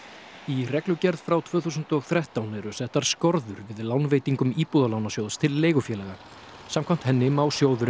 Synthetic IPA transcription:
irɛklʏcɛɾð̥fɾawt̪ʰv̥œːθuːsʏnt̪ɔɣθɾɛht̪awnɛɾʏsɛht̪aɾ̥skɔɾðʏɾvɪðlawnveːjt̪iŋkʏmiːpuːðalawnasjowðst̪ʰɪlːeːjɣʏfjɛːlɛɣa | saːmkʰvam̥t̪hɛnːɪmawsjoːwðʏɾ

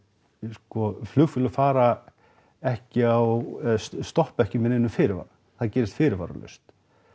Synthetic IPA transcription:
skɔflʏɣfʏlʏfaːɾa | ɛhcɪaw | st̪ɔhpɛhcɪmɛnɪnːʏfɪːɾɪɾva̰ɾ | θaðcɛːɾɪst̪fɪːɾɪɾva̰ɾa̰lœ̰st̪

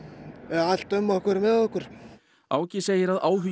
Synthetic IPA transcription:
ɛal̥t̪œmːɔhkvɛɾmɛðɔhkʏɾ̥ | aːwcɪseːjɪɾaðaːwɦʏ

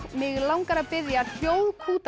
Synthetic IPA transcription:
mɪɣlawŋkaɾapɪðjasjoːwðkʰuːt̪

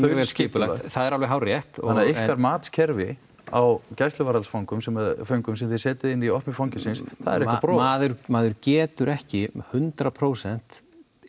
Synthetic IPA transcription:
vɛlscɪːpʏlaj̪θaðɛɾalveɦawrjɛht̪ɔanːðaɪkaɾmaːt̪scʰɛɾvɪ | a̰wcajst̪lʏvaːɾalsfawŋkʏmsɛmafœɥŋkʏmsɛmθɪðsɛːt̪ɪðɪnːiɔhmɪfawŋcɪsɪnsθa̰ðɛ̰ɾɛhkapɾɔmaːðʏɾmaːðʏɾcɛːt̪ʏɾɛhcɪhʏnt̪ɾapʰɾoːwsɛn̥t̪

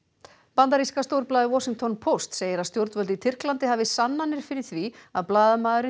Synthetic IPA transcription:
pant̪aɾiskast̪owɾplaːðɪwɔsiŋt̪ʰɔnpʰowst̪seːjɪɾaðst̪jowɾt̪vœlt̪it̪ʰɪr̥klant̪ɪɦavɪsanːanːɪɾ̥fɪɾɪɾ̥θviaðplaːðʏmaːðʏɾɪ

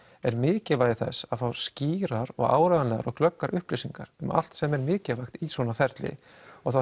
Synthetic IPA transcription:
ɛɾmɪːcɪlvaːjðɪθɛ̰saðfawsciːɾaɾɔ̰ɣa̰ːwɾaðanɛɣa̰ɾɔɣklœkːaɾʔʏhplisiŋka̰ɾ̥ʏmʔa̰l̥t̪sɛmɛɾmɪːcɪvajxt̪isvɔnafɛɾt̪lɪ̰ | ɔɣθa

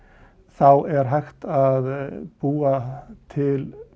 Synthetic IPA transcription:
θawɛɾɦajxt̪aðpuːat̪ʰɪl

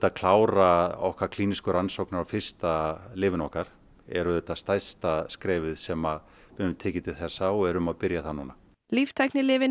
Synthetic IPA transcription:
t̪aðkʰlaːwɾaɔ̰hkvaɾkʰl̥iːniskʏɾansowknaɾawfɪr̥st̪alɪːvɪnɔhkaɾ̥ | ɛ̰ɾʏðɛt̪ːast̪ajst̪askɾɛːvɪðsɛma | vɪðʏmt̪ʰɛːcɪt̪ʰɪð̥θɛsːaɔɛɾʏmaðpɪɾjaθanuːna | lift̪ʰajknɪlɪːvɪ

